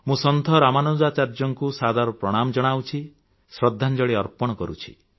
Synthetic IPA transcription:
mũsɔnd̪ʱɔɾamanod͡ʒat͡ʃaɾd͡ʒɔŋkusad̪aɾɔpɾɔɽ̃amɔd͡ʒɔɽ̃awt͡ʃʰi | sɾɔd̪ʱːand͡ʒɔɭiɔɾpɔɽɔkɔɾṵt͡ʃʰi̥̰

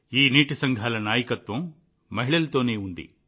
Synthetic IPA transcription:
iːniːʈisɐŋɡʱaːlɐnaːjɐkɐt̪ʋɐm | mɐɦiɭɐlt̪oːneːund̪ḭ

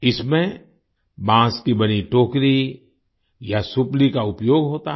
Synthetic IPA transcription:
ɪsmẽ | bãːskibɐñiʈoːkɾi | jasʊplikaʊpjoːɡɦoːt̪a

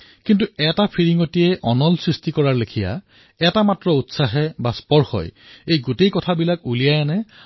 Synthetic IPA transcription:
kintuɛtapʰiɹiŋotijɛʔɔnɔlsɹistikɔɹaɹlekʰija̰ | ɛtamatɹɔutsaɦɛbaspɔɹxɔ̰jejɡotejkɔtʰabilakulijajɛnɛ

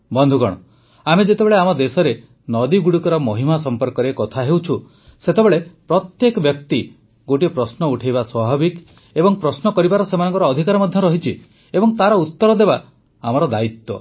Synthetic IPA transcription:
bɔnd̪ʱuɡɔ̰ɽ̃ɔ̰ | amed͡ʒet̪ebeɭeamɔd̪esɔɾe | nɔd̪iɡuɽukɔɾɔmɔɦimasɔmpɔɾkɔɾekɔt̪ʰaɦewt͡ʃʰu | set̪ebeɭepɾɔt̪jekɔbjɔk̚t̪i | ɡoʈipɾɔsnɔuʈʰajβaswabʱabik | ebɔŋpɾɔsnɔkɔɾibaɾɔsemanɔ̃ŋkɔɾɔːd̪ʱikaɾɔmɔd̪ʱjɔɾɔɦit͡ʃʰi | ebɔŋt̪aɾɔut̪ːɔɾɔd̪eba | amɔɾɔd̪ait̪wɔ̰

